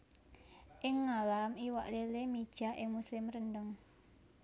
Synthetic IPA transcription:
ʔɪŋːalamiwaʔlelemid̥ʒ̥a̤ʔɪ̰ŋmuslɪmrəndəŋ

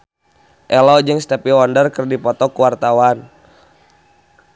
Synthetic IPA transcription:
ʔɛlɔd͡ʒəŋst̪əpiwɔndərkərdipɔt̪ɔkuwart̪awan

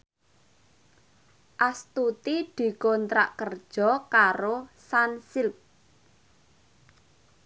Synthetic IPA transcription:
ʔast̪ut̪id̪̥i̤kɔnt̪ɾa̰ʔkərd̥ʒ̥ɔ̤kaɾosansɪlp̚

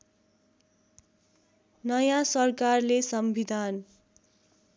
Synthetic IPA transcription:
nʌjãsʌrkarlesʌmbʱid̪ʱan

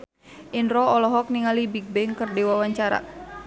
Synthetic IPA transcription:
ʔinɾɔɔlɔɦɔk̚niŋalibik̚bɛŋkərdewawaɲt͡ʃaɾa̰

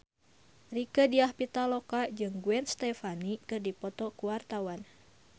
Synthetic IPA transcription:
rikədiahpit̪alɔkad͡ʒɨŋɡuɛnst̪ɛfanikɨrdipɔt̪ɔkuwart̪awan

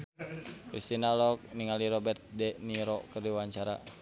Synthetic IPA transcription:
kɾist̪inalɔk̚niŋaliɾɔbɛrt̪̚dɛniɾɔkərdiwaɲt͡ʃaɾa̰

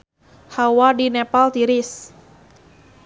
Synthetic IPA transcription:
hawadinɛpalt̪iɾis

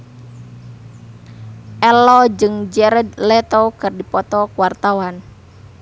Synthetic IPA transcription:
ʔɛlɔd͡ʒɨŋd͡ʒɛɾɛd̪lɛt̪okɨrdipɔt̪ɔkuwart̪awan

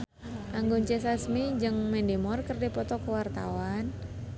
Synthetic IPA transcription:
ʔaŋɡuɲt͡ʃɛsasmid͡ʒɨŋmɛndemɔrkərdipɔt̪ɔkəwart̪a̰wan

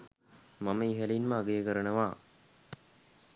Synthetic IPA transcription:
maməiɦælinməːɡejəkəɾənəʋaː

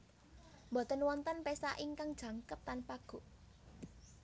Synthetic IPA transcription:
mbɔ̤t̪ənwɔnt̪ənpesaʔiŋkaŋd̥ʒ̥ä̤ŋkəp̚t̪anpaɡ̥o̤ʔ

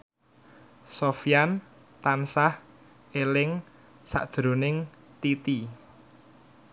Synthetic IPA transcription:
sofijan | t̪ansah | elɪŋ | sa̰ʔd̥ʒ̥ɾo̤nɪŋt̪it̪i

